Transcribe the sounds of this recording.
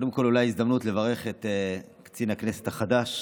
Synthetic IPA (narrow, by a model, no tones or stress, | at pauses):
od̪emko̞lulajizd̪amnutle̞vaʁe̞χe̞t̪e | kt͡sinhakne̞se̞thaχadaʃ